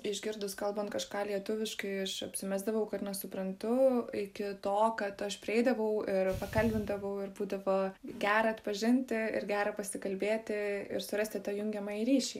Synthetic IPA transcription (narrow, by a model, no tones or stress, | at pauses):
ɪʒʲɡʲɪɾd̪ʊskɐlˠbɐnt̪kɐʃkɑːlʲiɛt̪ʊʋʲɪʃkɐɪɐʃɐpʲsʲɪmʲæzd̪ɐʋɐʊkɐtnʲɛsʊpɾɐnt̪ʊɪkʲɪt̪oːkɐt̪ɐʃpʲɾʲɪɛɪd̪ɐʋɐʊɪrpɐkɐlʲbʲɪnd̪ɐʋɐʊɪrbuːd̪ɐʋoːɡʲæːɾɐɐt̪pɐʒʲɪnʲt̪ʲɪɪ̰rɡʲæːɾɐpɐsʲɪkɐlʲbʲeːt̪ʲɪɪ̰ɾsʊɾɐsʲt̪ʲɪt̪ɑːjʊŋʲɡʲɛmɐɾʲiːʃʲɛɪ